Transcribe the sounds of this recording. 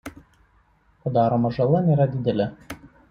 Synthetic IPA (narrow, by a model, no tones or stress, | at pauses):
pɐd̪ɑːɾoːmɐʒɐlˠɐnʲeːɾɐd̪ʲɪd̪ʲɛlʲɪ